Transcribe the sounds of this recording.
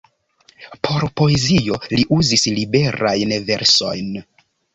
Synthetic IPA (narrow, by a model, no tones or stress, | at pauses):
pʰo̞ɾpo̞e̞zio̞liʔuzislibe̞ɾajnve̞ɾso̞̰jn